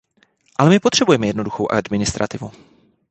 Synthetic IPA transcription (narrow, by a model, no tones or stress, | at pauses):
ʔalɛmɪpot̪r̝̥ɛbujɛmɛjɛdno̞duxowʔa̰dmɪnɪst̪ɾa̰t̪ɪvu